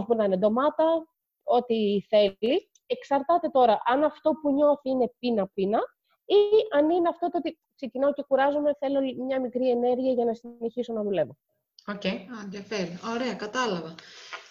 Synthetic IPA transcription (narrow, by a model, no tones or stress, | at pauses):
ozpunɐnend̪o̞mɐt̪ɐ | o̞t̪iθe̞li | e̞ksɐɾt̪ɐt̪e̞t̪o̞ɾɐʔɐnɐft̪o̞puɲo̞θiine̞pinɐpinɐ | iʔɐnine̞ɐft̪o̞t̪ot̪i | kse̞cinɐoce̞kuɾɐzome̞θe̞lo̞mɲɐmikɾie̞ne̞ɾʝiɐʝɐnɐsine̞çiso̞nɐðule̞vo̞ | ocejɐnðjɐfeɾioɾeɐkɐt̪ɐlɐvɐ